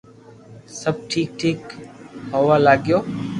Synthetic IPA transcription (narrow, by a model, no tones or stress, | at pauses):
səb̚ʈʰiːk̚ʈʰiːkhoʋalaːɡjoː